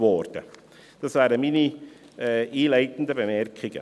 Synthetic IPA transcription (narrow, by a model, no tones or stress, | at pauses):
ʋɔɾd̥ə̰ | d̥ɑsʋæːɾəmini | ʔiːlæɪt̪ən̩d̪əbəmɛrkʰɪɡ̥ə̰